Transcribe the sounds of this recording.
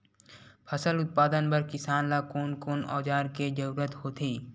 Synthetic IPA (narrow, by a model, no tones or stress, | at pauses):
pʰəsəlʊt̪̚paːd̪ənpəɾkɪsaːnlaːkoːnkoːnɔ̰ːd͡ʒaːɾked͡ʒəɾuːɾət̪ɦoːt̪ʰiː